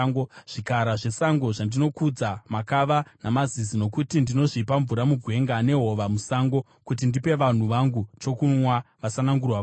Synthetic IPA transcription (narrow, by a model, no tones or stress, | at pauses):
ʐ̥ikaɾaʐe̞saŋɡo̞ʐandino̞kud͡zamakaʋanamazizino̞kutindino̞ʐipaɱvuɾamuɡʱwe̞ŋɡane̞ɦo̞ʋamusaŋɡo̞ | kut̬indipe̞ʋan̤uʋaŋɡut͡ʃo̞kunwaʋasanaŋɡurwa